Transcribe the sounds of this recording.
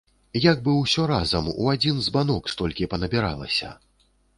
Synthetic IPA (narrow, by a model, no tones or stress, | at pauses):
jaɡ̚bɨwsʲɔɾazɐmṵad͡zʲinzbanɔkst̪ɔlʲkʲipɐnɐbʲiɾa̰lˠɐ̰sʲɐ̰